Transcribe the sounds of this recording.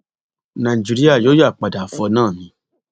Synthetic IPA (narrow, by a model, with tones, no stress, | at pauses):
nã˨i˨d͡ʒi˧ɾi˦a˦˨joː˨˦ja˦˨k͡pa˨da˨fɔ˧nãː˦˨mĩ˦